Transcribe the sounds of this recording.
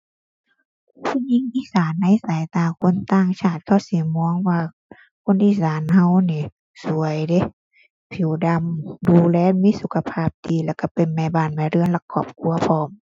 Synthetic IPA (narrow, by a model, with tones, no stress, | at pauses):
t̪ʰi˧˥˨ɲi˧˥˨ŋʔiː˧˥˨saː˨˦nːa˧˥˨jsaː˨˦jt̪aː˧kʰo˧˥˨nt̪aː˧˥˨ŋt͡ɕʰaː˧˩t̪̚kʰa˧˩si˧˦mɔː˧˥˦ŋwaː˧ | kʰo˧˥˨nʔiː˧˨saː˨˦nha˧wniː˧˨ | su˨˦ɐjde˧˦ | pʰi˨˦wda˧mduː˧lɛː˧˥˨miː˧˥˨su˨˧˦kʰa˧pʰaː˧˩p̚diː˧˦lɛː˧˩ka˧˩pe˨nmɛː˧˨baː˧˩˨nma˧˨ɾɯ˧˨ənla˧˩kʰːɔː˧˩p̚kʰu˧ɐpʰɔː˧˩m